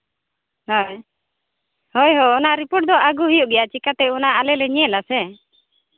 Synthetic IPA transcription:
hɔj | hɔjɦɔɔnaʔɾipoʈ̚d̪ɔʔaɡuɦijuʔɡɛjat͡ʃikat̪ɛunaalɛlɛɲɛlasɛ

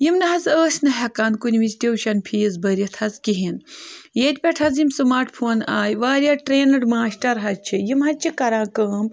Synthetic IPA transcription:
jimnɐɦɐzəːsʲnɐɦʲɐkaːnd̪kunʲʋit͡ʃt̪ʲewʃɐnpʰiːzbɐɾʲit̪ʰɐzkiɦinjeːt̪ʲpʲɛʈʰɐzjimsɨmaːɾʈpʰoːnaːjʋaːɾʲjaːʈɾeːnɨɽmaːsʈɐɾɦɐt͡ʃʰijimɦɐt͡ʃʰikɐɾãːkəːm

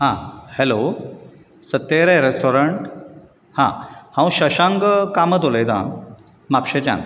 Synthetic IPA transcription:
hãhelo | sət̪ːeɾeɾesʈʰoɾəɳʈ | hã̰hãw̃ɕəɕãŋɡkamət̪olejd̪ã̰ | mapɕet͡ɕã̰n

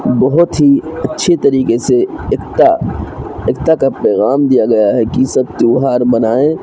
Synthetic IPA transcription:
bɔɦʊt̪ɦiɐtːʃʰet̪ɐɾiːkeseekt̪a | eːkt̪akapɛːɣaːmd̪ijaɡɐjaɦɛkisɐb̚t̪uːɦaːɾbɐnaːẽ

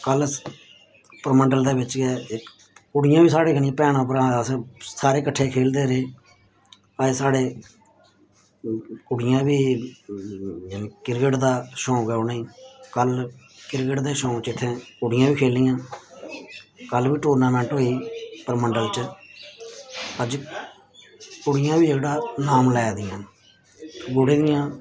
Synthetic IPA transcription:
kəl | pəɾməɳɖəld̪eːbɪt͡ʃɡɛːɪk | kʊɽɪjãːbiːsaːɽeːkənɪjãːpɛːɽãːp̬əɾãːssaːɾeːkəʈʰːeːkʰeːld̪eːɾeː | aeːsaːɽeː | kʊɽɪjãːbiː | jːnẽːkɪɾkəʈd̪aːʃõːɡɛːoːnãiːkəl | kɪɾkəʈd̪eːʃõːt͡ʃɪt̪ʰːẽːkʊɽɪjãːʋiːkʰeːlɪjãː | kəlʋiːʈuːɾnãːmɛ̃ːɳʈɦoːiːpəɾməɳɖəlt͡ʃ | pəd͡ʒ | kʊɽɪjãːbiːekɽaːnaːmlɛːd̪ɪjãː | ɡʊɽeːd̪ɪjãː

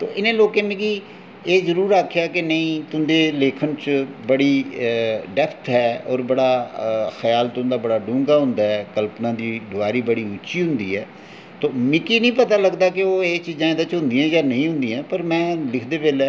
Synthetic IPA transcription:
t̪o̰ːʔɪnẽːloːkẽːmẽɡiː | eːzəɾuːɾaːkʰːjaːkɪnəĩːt̪ʊnd̪eːleːkʰənt͡ʃbəɽiː | ɖɛpʰt̪ʰɦɛːɔːɾbəɽaːxəjaːlt̪ʊ̃nd̪aːbəɽaːɖũːŋɡaːɦʊ̃nd̪aːɦɛːkəlpnãːd̪iːd̪ʊʋaːɾiːbəɽiːʊt͡ʃiːɦʊ̃nd̪iːɦɛː | t̪oːmɪkiːnĩːpət̪aːləɡd̪aːkeoːeːt͡ʃiːzãːɪd̪ãːt͡ʃɦʊ̃nd̪ɪjãːjaːnəĩːɦʊ̃nd̪ĩãːpəɾmɛ̃ːlɪkʰd̪eːʋeːlː

